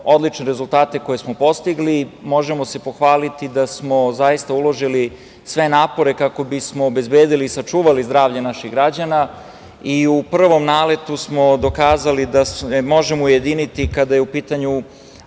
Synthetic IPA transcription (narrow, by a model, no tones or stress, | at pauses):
o̞d̪lit͡ʃneɾe̞zult̪aːt̪e̞ko̞je̞smo̞po̞st̪iɡlimo̞ʒe̞mo̞se̞po̞xʋaːlit̪id̪asmo̞zaist̪aulo̞ʒili | sʋe̞naːpo̞ɾe̞kako̞bismoːbe̞zbe̞ːd̪iliːsat͡ʂuːʋalizd̪ɾaːvʎanaʃiɣɡɾad͡ʑana | iupr̩ʋo̞mnaːle̞t̪usmo̞d̪o̞kaːzalid̪asmo̞ʒemouje̞d̪iːnit̪ikad̪ajeupiːt̪aɲu